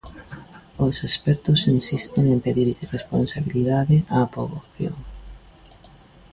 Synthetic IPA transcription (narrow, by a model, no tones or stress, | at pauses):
osespɛɾt̪ʊsinsist̪ɪŋempeðiɾʎresponsaβiliðaðɪʔapoβoθjo̰ŋ